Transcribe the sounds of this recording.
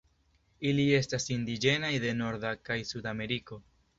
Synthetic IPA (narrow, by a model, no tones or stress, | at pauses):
ilie̞stasind̪id͡ʒe̞najd̪e̞no̞ɾdakajsudame̞ɾiko̞